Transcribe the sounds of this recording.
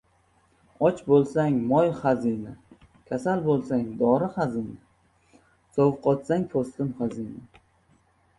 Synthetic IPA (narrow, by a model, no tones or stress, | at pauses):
ɒt͡ʃbolˠsaŋmɒjχazinɪ | kʲʰasalbolˠsaŋd̪ɒɾɪχazɪnɪ | sovqʰɒt̪saŋpʰost̪ɪmχazinɪ